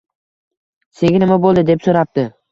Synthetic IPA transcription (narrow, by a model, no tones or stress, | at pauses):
se̞ɡʲɪnɪmabolˠd̪ɪd̪epsoɾap̚t̪ɪ